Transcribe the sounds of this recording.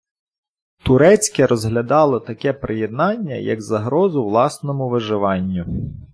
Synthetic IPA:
t̪ʊɾɛt͡sʲkɛɾɔzɦlʲɐd̪ɑlˠɪt̪ɐkɛpɾejed̪̚nɑnʲːɐ̰jɐ̰ɡzɐɦɾɔzʊʋlˠɑsnɔmʊʋɪʒɪʋɑnʲːʊ

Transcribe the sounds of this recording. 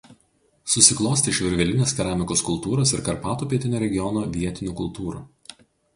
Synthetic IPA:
sʊsʲɪklˠoːsʲt̪ʲɪʃʲʋʲɪɾʲʋʲɛlʲɪnʲeːskʲɛɾɑːmʲɪkoːskʊlˠt̪uːɾosɪɾkɐɾpɑːt̪uːpʲiɛt̪ʲɪnʲoːɾʲɛɡʲɪjɔnoːʋʲiɛt̪ʲɪnʲuːkʊlˠt̪uːɾṵː

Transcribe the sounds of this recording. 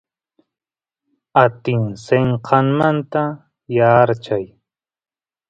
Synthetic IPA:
at̪ɪŋseɴqʰɑŋmant̪a | jaːɾt͡ʃaj

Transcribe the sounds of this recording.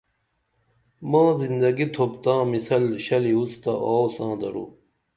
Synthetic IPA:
mãːzind̪ɐɡit̪ʰob̚t̪ãːmisɐlɕɐliust̪ɐʔoːsãːd̪ɐ̰ɾṵː

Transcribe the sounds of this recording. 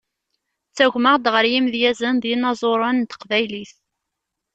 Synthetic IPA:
t͡sːæʝməʁd̪ʁəɾjimðjæzənðinɑzˤoɾˤənt̪ə̥qvæjliθ

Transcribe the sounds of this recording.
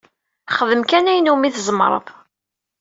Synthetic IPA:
χəðəmkænæjnumiθzəmɾˤə̰ðˤ

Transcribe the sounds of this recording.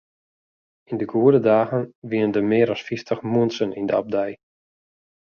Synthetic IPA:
indəɡuədədaːɣənʋiəndəmɪːɾɔsfiftʰəχmuənsənʔindəa̰b̚dɛj

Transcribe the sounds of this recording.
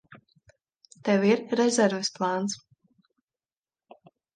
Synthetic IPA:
t̪ɛwiɾːɛzʲɛɾvɛsplˠaːns

